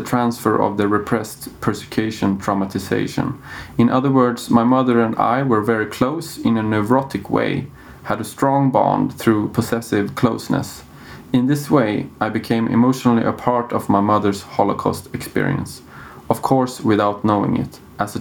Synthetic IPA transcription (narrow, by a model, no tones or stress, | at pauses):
ətʰɹ̥æ̃nsfə˞ʔʌ̰vðəɹɨpʰɹ̥ɛstpʰɜ˞sɨ̥kʰj̥uʃɨ̃ntʰɹ̥amətʰɨsḛɪʃɨ̰̃nɨ̃nʔʌðə˞wɜ˞dz̥maɪmʌðə˞ɨ̃nda̰ɪwə˞vɛɹikʰl̥oʊsɨ̃nɨnɛvɹɑɾɨkʰwḛɪ | həɾɨstɹ̥ɔ̃ŋbɑ̰̃nd̪θɹupʰəsɛsɪv̥kʰl̥oʊsnə̰s | ɨ̃nðɪsweɪʔaɪbɨkʰẽɪ̃mʔɪ̰moʊʃnl̩ˠḭʔəpʰɑɹɾʌvmaɪmʌðə˞z̥hɑlˠəkʰɑ̰stɨkspɪ̰ɹḭɨ̰̃ns | ʌv̥kʰɔɹswɪðaʊtⁿnoʊɪ̰̃ŋɪ̰t | ʔəzɨ